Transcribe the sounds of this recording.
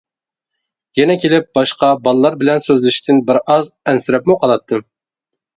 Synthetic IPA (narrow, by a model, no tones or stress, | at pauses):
jɛnɛkʲʰelɪp̚b̥ɑʃqɑbɑlˠlˠɑɾbɪlɛnsøzlɪʃt̪ʰɪnbɪɾɑzɛnsɪɾɛpmuqʰɑlˠɑt̪ʰːɨ